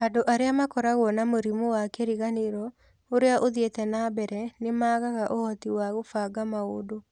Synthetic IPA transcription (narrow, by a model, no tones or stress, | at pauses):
adoʔaɾeamakɔɾaɣwɔnamoɾimowakɛɾiɣaneɾɔ | oɾeaʔoðietɛnabɛɾɛnemaːɣaɣaʔohɔtiwaɣofaːɡamaoːdo